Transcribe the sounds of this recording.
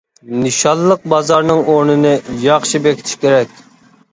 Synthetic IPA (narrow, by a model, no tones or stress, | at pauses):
nɨʃɑlˠːəq̚bɑzɑɾnɨŋoɾnɨnɨjɑχʃibɛkʲi̥t̪ʰɪ̥ʃkʲeɾɛkʲ